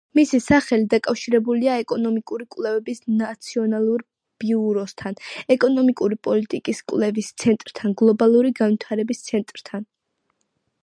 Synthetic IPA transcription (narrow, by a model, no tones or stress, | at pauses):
misisaχɛlid̪akʼafʃiɾɛbuliaɛkʼɔnɔmikʼuɾikʼwlɛvɛbisnat̪sʰiɔnalˠuɾ | b̥iuɾɔst̪ʰanɛkʼɔnɔmikʼuɾipʼɔlit̪ʼikʼiskʼwlɛvist̪sʰɛnt̪ʼɾt̪ʰanɡlˠɔbalˠuɾiɡanvwit̪ʰaɾɛbist̪sʰɛnt̪ʼɾt̪ʰan